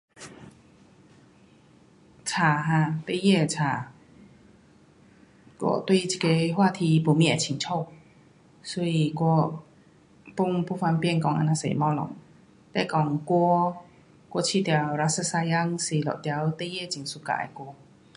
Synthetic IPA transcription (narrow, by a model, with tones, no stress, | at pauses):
t͡sʰaː˨˧˩ɦã˧˩t̪e˥˨jɛ˥˧˨t͡sʰaː˨˩ | kwɔ̰˧˩t̪wi˥˨t͡ɕʰi̥˨˩ke˧hwaː˥˧t̪ʰi˧pu˨˩mĩ˧˥˨a˨˩t͡ɕʰi˨ŋt͡ɕʰo˥˧˨w | so˧˦i˧kwɔ˧ | pu˥˧˨ŋpʰu˥˧˥fa˧npjɛ˥˨nkɔ˧ŋʔa̰˧˨nã˧sḛ˧˨mɔ̃˧˥lɔ̰˨˩˦ŋ | t̪ɛ˧˥˨kɔ˧ŋkwɔ˧ | kwɔ˧t͡ɕʰi˥˧˨t̪ja˨˩wɾa˧sɨ˧˥sa˧ja˧˥ŋsi˨˩lɔ̰˨t̪ja˧˦wt̪e˥˨jɛ˥˨t͡ɕi˨˩˦ŋsu˧˩ka̰˨˧˨ʔa̰˧˨kwɔ˧˦